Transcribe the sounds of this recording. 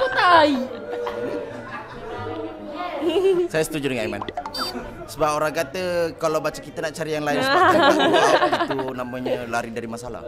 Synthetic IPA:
ut̪ai | sajasət̪ud͡ʒudəŋãnima̰n | səbapoɾaŋkat̪əkalawbat͡ʃəkit̪ənaʔt͡ʃaɾijaŋlaɪnsəat̪unampəɲəlaɾidaɾimasala̰h

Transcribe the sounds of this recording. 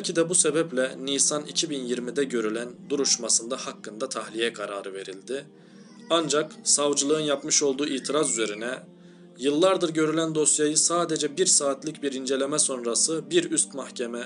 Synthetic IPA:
pøcʰid̪ɛbuse̞bɛplʲɛniːsanḭcʰibinjiɾmid̪ɛɟø̞ɾylʲænd̪uɾuʃmasɯnd̪ahakːɯnd̪at̪ʰahlʲijɛkʰaɾaːɾɯve̞ɾilʲd̪ɪ | and͡ʒaksavd͡ʒɯlˠɯɯnjapmɯʃo̞lˠd̪uːiːt̪ʰiɾazyze̞ɾinɛ | jɯlˠːaɾd̪ɯɾɟø̞ɾylʲænd̪o̞sjajɯsaːd̪e̞d͡ʒɛbiɾsaːt̪lʲicbiɾind͡ʒe̞lʲe̞mɛso̞nɾasɯbiɾyst̪mahcʰemɛ

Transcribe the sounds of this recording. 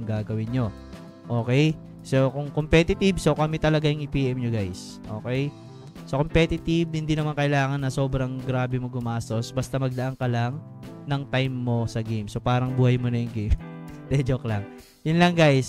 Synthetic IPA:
ŋɡaːɡɐwɪnɲo̞ | ʔo̞ːkɛj | sokʊŋkompɛt̪ɪt̪ɪbso̞kɐmɛt̪ɐlɐɡajʊŋɪpiːʔɛmɲoɡajs | ʔo̞̰ːkɛj | sokompɛt̪ɪt̪ɪb̚ɪnd̪inɐmankɐʔɪlaːŋɐnːɐso̞ːbɾɐŋɡɾaːbɛmoɡʊmaːst̪o̞sbɐst̪ɐmɐɡ̚d̪ɐʔaŋkɐlɐŋ | nɐŋt̪ajmːo̞sɐɡejmso̞paːɾɐŋbuːhɐjmonɐjʊŋɡejm | t̪ɛd͡ʒoklɐŋ | jʊnlɐŋɡajs

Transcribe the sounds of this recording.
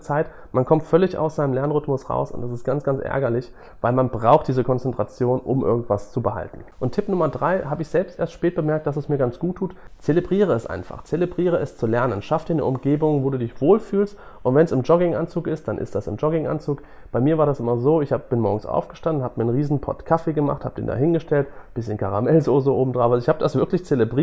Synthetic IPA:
t͡saɪt | mankʰɔmtfœlɪça̰ʊsz̥aɪnəmlɛɐnʁʏtmʊsʁa̰ʊsʊ̰ntdɛsɪstɡ̥ant͡sɡ̥ant͡sʔɛ̰ɐɡɐlɪç | vaɪlmanbʁaʊxtd̥iːzəkʰɔnt͡sɛntʁ̥at͡sjoːnʔʊmʔɪɐɡŋ̩tv̥ast͡subəha̰ltn̩ʔʊntʰːɪpnʊmɐdʁaɪhaːbəɪçz̥ɛlpstʔeːɐstʃpɛːt̚b̥əmɛɐk̚t̚d̥asɛsmiːɐɡant͡sɡ̥uːtʰːuːtt͡selebʁiːʁ̞əɛsʔa̰ɪnfa̰χt͡selebʁiːʁ̞əɛst͡sulɛɐnənʃafd̥iːɐnə̰ʔʊmɡeːbʊŋvoːduːdɪçv̥oːlfyːlst | ʔʊntv̥ɛnsɪmd͡ʒɔɡɪŋʔa̰nt͡suːkʔɪst̚d̥anʔɪ̰std̥asɪ̰md͡ʒɔɡɪŋʔa̰nt͡suːk | b̥aɪmiːɐvaːɐɾasʔɪmɐzoːɪçhaːbəb̥ɪnmɔɐɡŋ̩sʔa̰ʊfɡ̥əʃtandn̩haːbəmiːɐənʁiːzn̩pʰɔ̰tkʰafeɡəma̰χtha̰ːbəd̥ḛːnda̰ːɦɪnɡəʃtɛltb̥ɪsçənkʰaʁa̰mɛlzozoʔoːbm̩dʁaːvaɪçhaːbəd̥asv̥ɪɐklɪçt͡selebʁiː

